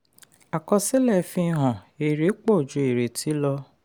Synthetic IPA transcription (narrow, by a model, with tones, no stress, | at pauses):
a˨kɔ˧se˦lɛ˦˨fĩ˧˦ɦɔ̃˨e˨ɾe˨˦k͡po˦˨d͡ʒu˧˦e˨ɾe˨tʰi˨˦lɔ˧